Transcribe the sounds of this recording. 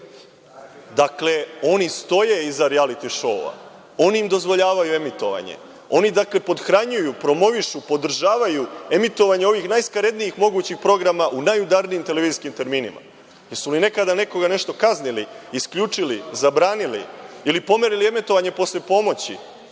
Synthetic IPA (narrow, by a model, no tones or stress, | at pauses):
d̪akle̞o̞nist̪o̞jeizaɾialit̪iʃo̞̰a̰ | o̞niimd̪o̞zʋo̞ʎaːʋajue̞mit̪o̞ʋa̰ɲḛ | o̞nid̪akle̞po̞d̪xɾaɲujupɾo̞mo̞ʋiʃupo̞d̪r̩ʒaːʋajue̞mit̪o̞ʋaɲeo̞ʋixnajskaɾe̞d̪nijixmo̞ɡuːt͡ɕixpɾo̞ɡɾamaʔunajud̪aɾnijimt̪e̞leiːziskimt̪e̞ɾmiːnima̰ | jeɾsuline̞kad̪ane̞ko̞ɡane̞ʃt̪o̞kazniliːskʎuːt͡ʂilizabɾaːnilḭilipo̞meɾilie̞mit̪o̞ʋaɲe̞po̞slepo̞mo̞t͡ɕḭ